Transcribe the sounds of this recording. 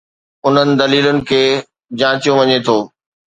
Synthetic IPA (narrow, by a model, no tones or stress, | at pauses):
ʊn̤ənɪ̆d̪ɐliːlʊnɪ̆kʰeː | d͡ʑãːt͡ɕijõʋɐɲet̪ʰoː